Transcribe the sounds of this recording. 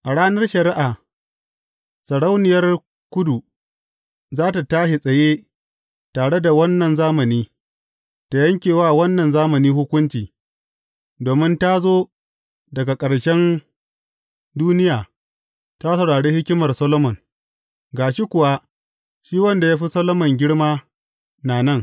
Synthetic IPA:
ʔa˨ɽaː˦nɐ˦rʃɐ˨ɾɪ˦ʔaː˨ | sɐ˨ɽa˦wnɪ˨jɐ˦r | kʷʊ˦du˨ | zaː˦ta˨taː˦ʃe˨sʼɐ˨jeː˦ | taː˨ɽe˦da˨wɐ˦nːɐ˨nzaː˦mɐ˨niː˦ | ta˨jɐ˦ŋkʲeː˨waː˦wɐ˦nːɐ˨nzaː˦mɐ˨niː˦hʊ˦kʷʊ˦nt͡ʃiː˨ | doː˨mɪ˦nta˦zoː˦ | dɐ˨ɡa˨kʼɐ˨ɽʃɛ˦n | duː˦nɪ˦jaː˨ | ta˦sɐ˨wɽaː˨ɽeː˦hɪ˦kʲɪ˦mɐ˨rsɐ˦lo˦mɔ˨n | ɡaː˨ʃi˦kʷʊ˨wa˦ | ʃiː˦wɐ˦nda˨jaː˦ɸi˦sɐ˦lo˦mɐ˨ŋɡʲɪ˦ɽmaː˦ | naː˨nɐ˦˨ŋ

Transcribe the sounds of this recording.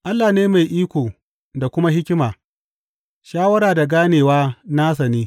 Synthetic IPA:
ʔa˦lːaː˨neː˦ma˨jʔiː˦kʷoː˨ | da˨kʷʊ˦ma˦hɪ˦kʲɪ˦maː˨ | ʃaː˦wɐ˦ɾaː˨da˨ɡaː˦neː˨waː˦naː˦s̬ɐ˨niː˦

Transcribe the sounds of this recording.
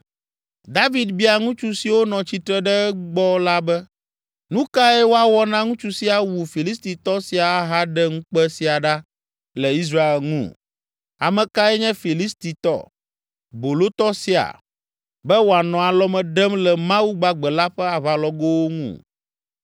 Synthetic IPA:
d̪a˦vi˨d̪bi˦a˨ŋũ˦t͡ʃu˦si˨wo˦nɔ̃˨t͡ɕi˨˦t̪ɾɛ˦ɖɛ˦ɡ͡bɔ˦la˦bɛ˦ | nũ˦ka˦ɛ˦wo˦a˨wɔ˦nã˦ŋũ˦t͡ʃu˦si˦a˨wu˨fi˨li˦st̪i˨t̪ɔ˦si˨a˨˦ɦa˦ɖɛ˦ŋũ˦k͡pɛ˦si˨a˨ɖa˦ | lɛ˨i˦s̬ɾa˦e˨lŋṵ̃˦˨ | a̰˨mɛ̃˨ka˦ɛ˦ɲɛ̃˦fi˨li˦st̪i˨t̪ɔ̰˦ | bo˨lo˦t̪ɔ˦si˦a̰˨ | bɛ˦wo˨a˨nɔ̃˨a˨lɔ˦mɛ̃˨ɖɛ˦mlɛ˨mã˦wu˦ɡ͡ba˨ɡ͡bɛ˨la˦ɸɛ˦a˨βa˨lɔ˦ɡo˦wo˦ŋṵ̃˦˨

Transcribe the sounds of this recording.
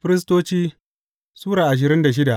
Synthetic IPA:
ɸɪ˦ɾɪ˦s̬toː˦t͡ʃiː˦ | suː˦ɾaː˨ʔa˨ʃ̬ɪ˨ɾɪ˦nda˨ʃ̬ɪ˦da˨ʔ

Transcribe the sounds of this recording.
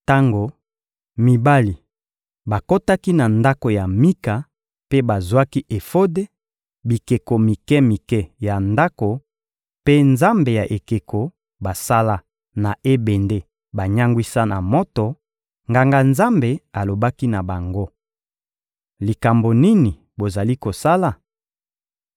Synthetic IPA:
ta˦ŋɡo˨ | mi˨ba˦li˨ | ba˨ko˦ta˦ki˦na˨nda˦ko˨ja˨mi˦ka˨ | pe˦ba˨zwa˦ki˦ʔe˨fo˦de˦ | bi˨ke˨ko˨mi˨kɛ˦mi˨kɛ˦ja˨nda˦ko˨ | pe˦nza˦mbe˨ja˨ʔe˨ke˨ko˨ | ba˨sa˦la˦ | na˨ʔe˦be˨nde˦ | ba˨ɲa˦ŋɡwi˦sa˦na̰˨mo˦tɔ˨ | ŋɡa˨ŋɡa˨nza˦mbe˨a˨lo˨ba˦ki˦na˨ba˨ŋɡo˦ | li˨ka˨mbo˨ni˦ni˨ | bo˨za˨li˦ko˨sa˦la˨

